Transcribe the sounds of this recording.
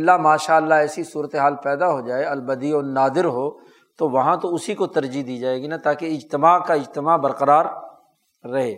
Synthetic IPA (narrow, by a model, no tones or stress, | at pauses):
ɐlːamaːʃaːəlːaɦɛːsisuːɾət̪eɦaːlpɛːd̪aɦod͡ʒaːeɐlbɐd̪iɔːɾnaːd̪ɪɾɦoː | t̪oʋɐɦãt̪oʊsikot̪ɐɾd͡ʒid̪iːd͡ʒaːeːɡinat̪aːkeɪd͡ʒt̪ɪmaːkaɪd͡ʒt̪ɪmaːbɐɾqəɾaːɾː | ɐɦeː